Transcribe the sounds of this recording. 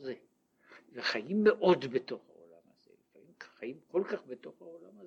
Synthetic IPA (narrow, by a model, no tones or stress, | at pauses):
ze | veχajimːeʔo̞dbet̪o̞χha̰o̰la̰ma̰z̥ḛlifamimkχajimko̞lkaχbet̪o̞χhaolamaz